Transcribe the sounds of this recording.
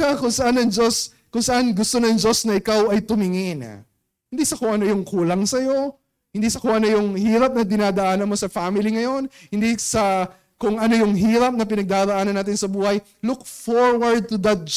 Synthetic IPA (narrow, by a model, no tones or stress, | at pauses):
akʊŋsɐʔanːɐŋd͡ʒo̞s | kʊŋsɐʔanɡʊst̪o̞nɐŋd͡ʒo̞snɐʔɪkawʔɐjt̪ʊmɪŋɪn̰ | hɪnd̪isɐkoʔɐnojʊŋkuːlɐŋsɐjo̞ | hɪnd̪isɐkoʔɐnojʊŋhiːɾɐp̚nɐd̪ɪnaːd̪ɐʔaːnɐnmo̞sɐfamɪliŋɐjo̞nhɪnd̪isɐ | kʊŋʔɐno̞jʊŋɦiːɾɐp̚nɐp̬ɪnɐɡ̚d̪aːɾɐʔaːnɐnːaːt̪ɪnsɐbuːhɐj | luk̚foɹwɐɹd̪̚t̪ʊd̪ɐt̪̚